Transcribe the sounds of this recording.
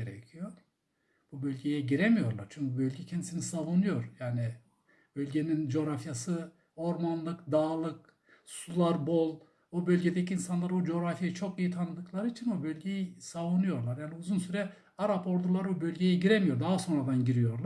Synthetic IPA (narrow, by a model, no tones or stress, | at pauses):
eɾɛ̰cʰijo̞ | b̥ubølʲɟejɛɟiɾemijo̞ɾlˠaɾt͡ʃʰyɲcybølʲɟɛcʰɛnd̪isinisavunujo̞ɾjaːni | bølʲɟe̞nind͡ʒo̞ɾafjasɯ | o̞ɾmanlˠɯkd̪aːlˠɯk | sulˠaɾbolˠ | ubølʲɟe̞d̪eciːnsanlˠaɾbud͡ʒo̞ɾafjajit͡ʃʰo̞kijit̪ʰanɯd̪ɯkʰlˠaɾɯit͡ʃʰinbubølʲɟejisavunujo̞ɾlˠaɾjaːniuzunsyɾɛ | aɾapʰo̞ɾd̪ulˠaɾbubølʲɟejɛɟiɾemijo̞ɾd̪aɦaso̞nɾad̪anɟiɾijo̞ɾlˠaɾ